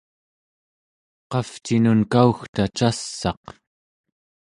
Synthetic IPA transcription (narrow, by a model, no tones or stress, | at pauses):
qɑft͡ʃinunkauxt̪at͡ʃasːɑ̰q